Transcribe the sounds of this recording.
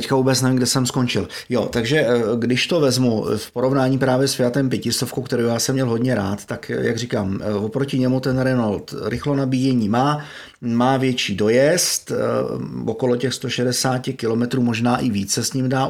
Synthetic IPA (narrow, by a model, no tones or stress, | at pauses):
t̪ɛckavuːbɛt͡snɛviŋɡdɛsɛmsko̞nt͡ʃɪl | jot̪aɡʒɛɡdɪʃt̪o̞vɛzmufpoɾo̞vnaːɲiːpɾaːvjɛspɪjat̪ɛmp̬jɛcɪst̪ofkowkt̪ɛɾowjaːsɛmːɲɛlɦo̞d̪ɲɛɾaːt̪t̪akja̰ɡr̝iːkaːmvopɾo̞cɪɲɛmut̪ɛnɾɛnalt̪ɾɪxlonabiːjɛɲiːmaː | maːvjɛt͡ʃiːdo̞jɛst̪ | oko̞lo̞cɛxst̪o̞ʃɛdɛsaːcɪkɪlo̞mɛt̪ɾuːmo̞ʒnaːʔɪviːt͡ssɛsɲimdaː